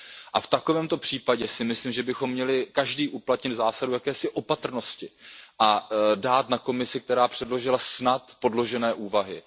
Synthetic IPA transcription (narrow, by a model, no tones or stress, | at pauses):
ʔaft̪ako̞vɛːmt̪o̞pr̝̥iːpaɟɛsɪmɪslimʒɛbɪxo̞mːɲɛlɪkaʒdiːʔuplat̪ɲɪd̪zaːsadujakɛːsɪʔo̞pat̪r̩no̞scɪʔadaːt̪nako̞mɪsɪk̚t̪ɛɾaːpr̥ɛdlo̞ʒɪlasnat̪po̞dlo̞ʒɛnɛːʔuːvaɦɪ